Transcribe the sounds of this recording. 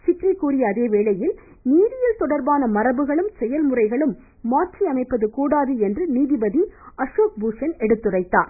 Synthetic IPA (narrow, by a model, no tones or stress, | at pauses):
t͡ʃɪʈrɐkːuːrɪjɐːðeːʋeːɭɐjɪl | niːðɪjɪlt̪ɔɽɐɾbaːnɐmɐrɐbɯɣɐɭɯmsɛjɐlmʊrɐɪɣɐɭɯmː | aːʈt͡ʃiɐmɐɪpːɐðɯkuːɽaːðɯɛndrɯniːðɪbɐðiɐʂoːk̚buːsɐnɛɽɯt̪ːɯrɐɪt̪ːa̰ːɾ